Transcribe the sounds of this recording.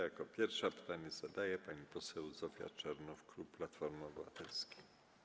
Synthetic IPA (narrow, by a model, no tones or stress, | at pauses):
jakɔpʲjɛɾfʂapɘ̥t̪aɲɛz̥ad̪ajɛpaɲipɔsɛwzɔfʲja̰t͡ʂɛɾnufkɾuplat̪fɔɾmɔbɘvat̪ɛlskʲi̥